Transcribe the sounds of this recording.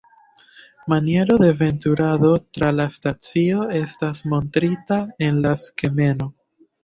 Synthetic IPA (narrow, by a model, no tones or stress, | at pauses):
manie̞ɾo̞deve̞ntuɾaðo̞tɾalastat͡sio̞e̞stasmo̞ntɾitae̞nlaskeme̞no̞